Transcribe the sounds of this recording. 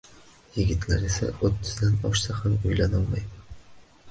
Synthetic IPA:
jɪɡʲɪt̪ʰlaɾesa̰ɵt̪ʰːʏzd̪anɒ̰ʃsahamojlanɒlˠmajmn

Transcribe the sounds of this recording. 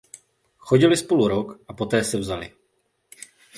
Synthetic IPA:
xo̞ɟɪlɪspo̞luɾokʔapo̞t̪ɛːsɛvzalɪ̰

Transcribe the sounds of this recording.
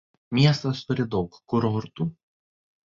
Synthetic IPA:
mʲiɛst̪ɐst̪ʊɾʲɪd̪ɒʊkkʊɾɔɦʊɾt̪uː

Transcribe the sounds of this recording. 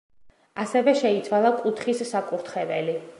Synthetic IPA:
asɛvɛʃɛit̪sʰwalˠakʼut̪ʰχisːakʼuɾt̪ʰχɛvɛli

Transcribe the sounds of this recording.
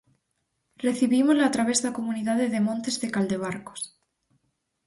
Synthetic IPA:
re̞θiβimozlaːt̪ɾaβ̞e̞zðako̞mũniðaðeðe̞mõnt̪e̞zðe̞kald̪e̞β̞aɾko̥s

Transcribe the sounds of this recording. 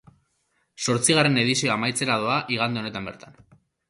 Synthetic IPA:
so̞ɾt͡siɣare̞ne̞ðisio̞amajt͡se̞ɾaðoaʔiɣand̪e̞ne̞t̪ambe̞ɾt̪an

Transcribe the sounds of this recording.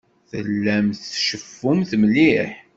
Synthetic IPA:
θə̰lːæmθʃəfːumθmliħ

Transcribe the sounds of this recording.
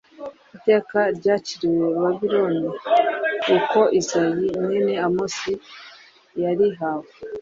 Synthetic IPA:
ite̞ːkaɾɟaːciɾiwe̞βaβiɾoni | uko̞ʔizajineneamosi | jaɾiɦaːwe

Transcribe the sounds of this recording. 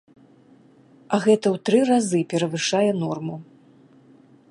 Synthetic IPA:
ɐɣɛt̪ɐwt̪ɾɨrazɨpʲɛɾɐvɨʂajɛn̪ɔrmu

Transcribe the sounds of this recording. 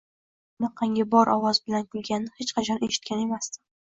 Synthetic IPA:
ʊnaqʰɑŋʲɪbɒɾʔɒwɒzbɪlankʰʊlˠɡʲanːɪhet͡ʃqʰɑt͡ʃʰɒnʔe̞ʃɪ̥t̪̚kʲʰane̞mast̪ɪ

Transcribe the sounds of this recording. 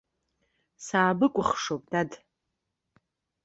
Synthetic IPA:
saːbɨkʷʼʊχʂowpʼdad

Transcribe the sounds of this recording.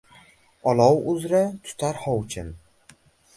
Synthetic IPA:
ɒlˠɒwʊzɾat̪ʰʊ̥t̪ʰaɾhɒwt͡ʃʰɪn

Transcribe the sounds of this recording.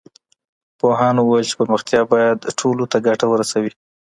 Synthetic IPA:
poɦɑnwajəlt͡ʃe̥pəɾməxt̪jɑbɑjad̪ʈʰolot̪aɡaʈawəɾasawi

